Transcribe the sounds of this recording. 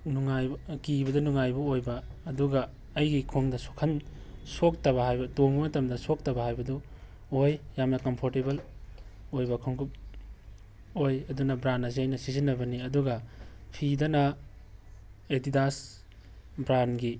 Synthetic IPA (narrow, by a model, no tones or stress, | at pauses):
nuŋajkibɐdɐnuŋajbɐojbɐːduɡɐː | jɡikʰoŋdɐsokʰɐnsok̚tɐβɐhajbɐtoŋbɐmɐtɐmdɐsok̚tɐbɐhajbɐdu | ojjamnɐkɐmpʰoɾtebɐl | ojbɐkʰuŋɡup̚ | ojɐdunɐbɾanɐsiɐjnɐsizinːɐbɐniɐduɡɐpʰidɐnɐ | etidas | bɾanɡi